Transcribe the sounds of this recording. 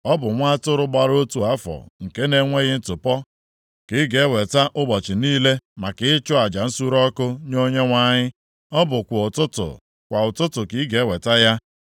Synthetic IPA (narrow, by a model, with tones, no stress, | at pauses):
ɔ˦bʊ˨ŋʷa˦tʊ˦ɾʊ˦ɡ͡ba˦ɾo˦tu˨a˦fɔ̰˨ŋ̩˨ke˦ne˦ŋʷe˦ɣɪ˦n̩˦tʊ˨pɔ˦ | kɪ˦ɡe˨˦e˦we˨ta˦ʔʊ˦bɔ˨t͡ʃɪ˨niː˦le˦ma˨kɪ˨˦ɪ˦t͡ʃʊ˦a˨d͡ʒa˨n̩˦su˦ɾɔ˦kʊ˦ɲ˦o˦ɲe˦ŋʷa˦ɲɪ˦ | ɔ˦bʊ˨kʷʊ˨ʊ˨tʊ˦tʊ̰˨ | kʷa˨ʊ˨tʊ˦tʊ˨kɪ˨˦ɡe˨˦we˨ta˦ja˦